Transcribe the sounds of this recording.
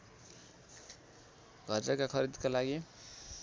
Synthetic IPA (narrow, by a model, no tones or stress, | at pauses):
ɡʱʌrd͡zakakʰʌɾid̪kalaɡi